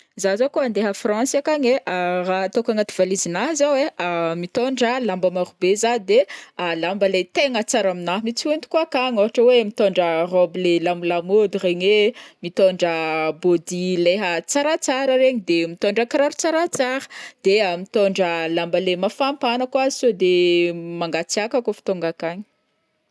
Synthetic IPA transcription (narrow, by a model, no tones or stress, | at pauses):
zazakuand̪eɦəfrãsakaɲeʔarat̪okaŋat̪ivalizinaɦzaweamit̪oɳɖ͡ʐəlambəmaɾubezad̪ealambəlet̪eŋət͡saɾaminaɦmit͡sunt̪u̥kuakaŋoɦaʈ͡ʂəwemit̪oɳɖ͡ʐərobilelamulamod̪ureɲemit̪oɳɖ͡ʐəbod̪ileɦət͡saɾat͡saɾəɾeɲid̪emit̪oɳɖ͡ʐəkɾaɾut͡saɾat͡saɾə̥d̪̥eamit̪oɳɖ͡ʐəlambəlemafampanəkuazisod̪emaŋɡat͡siakakofi̥t̪oŋɡakaɲi̥